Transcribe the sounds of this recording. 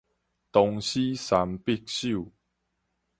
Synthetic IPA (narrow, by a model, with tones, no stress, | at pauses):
t̪ɔ˧ŋɕi˦sa˨˧mpi˦˧k̚ɕu˥˨